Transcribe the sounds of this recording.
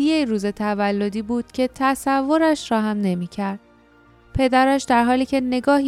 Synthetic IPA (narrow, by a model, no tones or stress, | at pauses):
ijejɾuːze̞t̪ʰævælːo̞d̪iːbuːd̪̥cʰe̞t̪ʰæsævːo̞ɾæʃɾɒːɦæmne̞miːcʰæɾd̪̥̚ | pʰe̞d̪æɾæʃd̪æɾɦɒːliːcʰe̞ne̞ɡɒːɦi